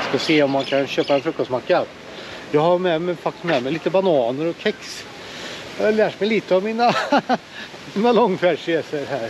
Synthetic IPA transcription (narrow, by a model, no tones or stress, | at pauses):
skɑseːɔmːankʰanɕøːpaɛnfɾɵkːɔst̪makːa | jɑːɡhɑmɛmɛfak̚t̪ɪ̥smɛːmɛɪliːt̪əbɑnɑːnəɾɔkʰɛks | læːʈmɛɪliːt̪əɑvmiːna | miːnalɔŋːfæɖʂeːsəɾhæːɾ